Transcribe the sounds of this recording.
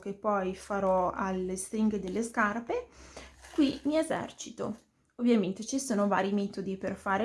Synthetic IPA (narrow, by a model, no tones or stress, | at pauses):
k̟epːɔjfaɾɔalest̪ɾiŋɡd̪elːeskarpe | kwimiezɛ̰rt͡ʃit̪o̰ | ovːjament̪et͡ʃisoːnova̰ːɾimɛːt̪od̪iperfaːɾe